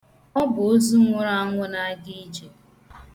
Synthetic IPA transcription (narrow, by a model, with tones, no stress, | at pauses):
ɔ˦bʊ˨o˦zu˦ŋʷʊ˦ɾa˦a˦ŋʷʊ˦na˦a˦ɡi˦d͡ʒe˨